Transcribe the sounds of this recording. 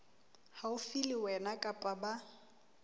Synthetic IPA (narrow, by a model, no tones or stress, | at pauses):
haʊfilɪwɛnakʼapʼaba